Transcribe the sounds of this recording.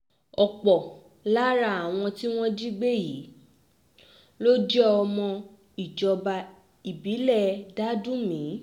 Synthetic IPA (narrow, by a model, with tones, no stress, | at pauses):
ɔ˨k͡pɔ˨ | la˦ɾa˧˨a˨w̃ɔ̃˧ti˦w̃ɔ̃˦d͡ʒi˦ɡ͡be˦ji˨˦ | lo˦d͡ʒɛ˦ɔ˧mɔ̃˧ | i˨d͡ʒɔ˨˧ba˧ | i˨bi˨˦lɛ˦˨da˦dũ˦mĩ˨˦